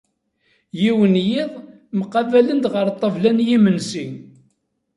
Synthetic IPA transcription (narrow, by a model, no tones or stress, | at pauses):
jiwənjiðˤ | məqːɑvælənd̪ʁəɾˤt̪ˤːəvlænjimənsiŋ